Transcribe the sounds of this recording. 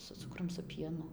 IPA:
sʊ ˈt͡sʊkrʊm sʊ ˈpʲiɛnʊ

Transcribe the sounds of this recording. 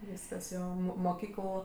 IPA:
ˈʋʲiːskɐs ˈjoː ˈmoː moːˈkʲiːkəlˠ

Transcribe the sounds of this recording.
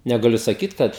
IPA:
nʲɛɡɐˈlʲʊ sɐˈkʲiːt ˈkɐt

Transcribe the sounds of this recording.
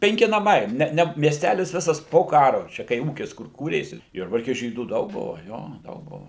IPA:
pʲɛŋʲˈkʲɪ nɐˈmɐɪ ˈnʲɛ ˈnʲɛ mʲiɛsʲˈtʲælʲɪs ˈʋʲɪsɐs poː ˈkɑːrʊ ˈt͡ʃʲɛ kɐɪ ˈuːkʲɪs kʊr ˈkuːrʲeːsʲɪ ˈjʊrbɐrʲkʲɛ ˈʒʲiːduː ˈdɐʊk ˈbʊʋɐ ˈjoː ˈdɐʊk ˈbʊʋɐ

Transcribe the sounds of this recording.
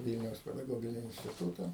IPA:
ˈʋʲiːlʲnʲɛʊs pʲɛdɐˈɡoːɡʲɪnʲɪ ɪnʲsʲtʲɪˈtuːtɐ

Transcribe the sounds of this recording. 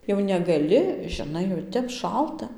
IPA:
jɛʊ nʲɛɡɐˈlʲɪ ʒʲɪˈnɐɪ jɛʊ ˈtʲɛp ˈʃɐlˠtɐ

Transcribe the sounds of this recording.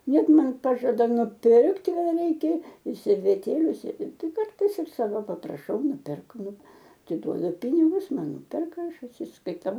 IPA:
ˈnʲɛt ˈmɐn ˈpɑːʒɐdɐ nʊˈpʲɪrkt kɐˈdɐ ˈrʲɛɪkʲɛ ɪr sʲɛrʲʋʲɛˈtʲeːlʲʊ sʲɛ ˈtɐɪ ˈkɐrtɐɪs ɪr ˈsɑːʋoː pɐprɐˈʃɐʊ nʊpʲɪrk ˈnʊ ɐtʲɪˈduɔdʊ ˈpʲɪnʲɪɡʊs ˈmɐn ˈnʊpʲɛrkɐ ˈɐʃ ɐtʲsʲɪskɐɪˈtɐʊ

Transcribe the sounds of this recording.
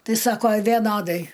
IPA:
ˈtɐɪ ˈsɑːkoː ʋʲɛˈnoːdɐɪ

